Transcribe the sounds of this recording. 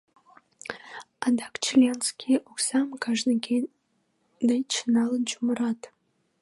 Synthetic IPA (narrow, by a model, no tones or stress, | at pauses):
ɑd̪ɑkt͡ɕilʲenskʲʰiʔoksɑmkɑʒnəkʲe | d̪ejt͡ɕənɑlənt͡ɕuməɾɑt̪